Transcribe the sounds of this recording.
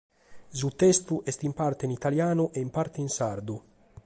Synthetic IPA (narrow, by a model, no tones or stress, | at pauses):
zut̪ɛst̪uʔɛst̪impart̪einit̪aljaːnuʔɛimpaɾt̪einsaɾd̪u